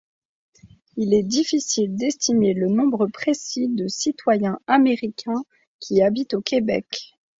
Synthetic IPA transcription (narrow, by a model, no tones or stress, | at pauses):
ilɛd̪ifisild̪ɛst̪imelənɔ̃bʁəpχesid̪əsit̪wajɛ̃ameʁikʲʰɛ̃ | kʲʰiabit̪okʲebɛ̰k